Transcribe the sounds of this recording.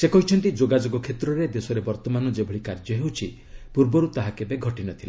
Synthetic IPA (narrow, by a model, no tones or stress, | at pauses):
sekɔɦit͡ʃʰɔnt̪id͡ʒoɡad͡ʒoɡɔkʰet̪ɾɔɾed̪esɔɾebɔɾt̪ɔmanɔd͡ʒebʱɔɭikaɾd͡ʒɔɦewt͡ʃʰi | puɾbɔɾut̪aɦakebeɡʱɔʈinɔt̪ʰila